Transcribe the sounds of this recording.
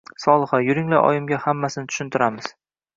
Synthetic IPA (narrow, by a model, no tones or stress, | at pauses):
sɒlˠɨχajʊɾɪŋlaɾʔɒ̰jɪmɡʲahamːasɪnɪt̪ʰʊ̥ʃʊnt̪ʰɪɾamɪz̥